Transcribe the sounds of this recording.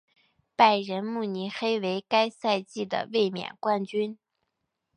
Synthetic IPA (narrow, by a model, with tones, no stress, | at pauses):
pa˥˩ɪɻə˧˥nmu˥˩ni˧˥xe˥ɪwe˧˥ɪka˥ɪsa˥˧ɪt͡ɕi˥˩d̪ə̰˩we˥˩ɪmjɛ̰˨˩nkwa˥˩nt͡ɕy˥n